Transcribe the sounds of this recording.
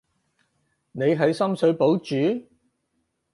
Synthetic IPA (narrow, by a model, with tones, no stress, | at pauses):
ne˨˧jɦɐ˨˧jsɐ˥msɵ˨˧ɥpo˨˥wt͡ʃyː˨˥